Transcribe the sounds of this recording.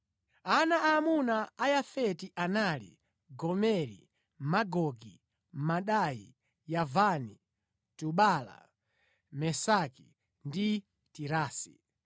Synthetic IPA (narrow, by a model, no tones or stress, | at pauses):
anaamunaajafɛtiʔanalḭ | ɡɔmɛɾḭ | maɡɔɡi | maɗajḭ | javani | tuɓala̰ | mɛsaki | ndi | tiɾaːsi̥̰